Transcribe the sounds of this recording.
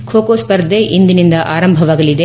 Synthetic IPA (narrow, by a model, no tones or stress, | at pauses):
kʰoːkoːspɐɾd̪ʱeʔind̪inind̪ɐʔaːɾɐmbʱɐʋaːɡɐlid̪e